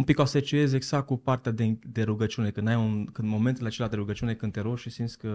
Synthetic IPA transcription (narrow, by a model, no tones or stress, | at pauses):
umpikoaset͡ʃie̞ze̞ɡz̥ak̪̚kupart̪ead̪ed̪e̞ɾuɡət͡ʃune̞kɨnd̪ajunkɨnd̪mo̞me̞nt̪ɨlat͡ʃelad̪e̞ɾuɡət͡ʃiune̞kɨnd̪t̪eɾoʃisint̪sʲkə